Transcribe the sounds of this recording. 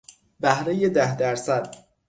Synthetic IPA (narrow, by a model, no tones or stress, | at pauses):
bæhɾejed̪æhd̪æɾsæd̪̥